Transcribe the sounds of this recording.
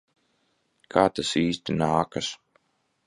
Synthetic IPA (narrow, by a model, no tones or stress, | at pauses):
kʰaːt̪asiːst̪inaːkas